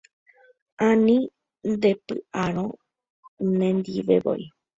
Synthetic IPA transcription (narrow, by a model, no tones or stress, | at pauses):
ãnĩ | nd̪e̞pɨ̰aɾ̃õ | nẽnd̪iʋḛʋo̰ʔi